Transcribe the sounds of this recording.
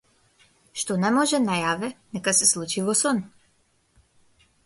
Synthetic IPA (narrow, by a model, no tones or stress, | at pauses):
ʃt̪ɔnɛmɔʒɛnajavɛnɛkasɛslˠut͡ʃivɔsɔn